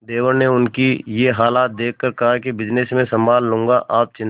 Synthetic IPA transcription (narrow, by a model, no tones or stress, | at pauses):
d̪eːʋəɾneʊnkijeɦaːlaːt̪̚d̪eːkʰːəɾkɐɦakibɪd͡ʒnesmẽsɐ̃mbaːlːʊ̃ŋɡaʔaːp̚t͡ʃɪn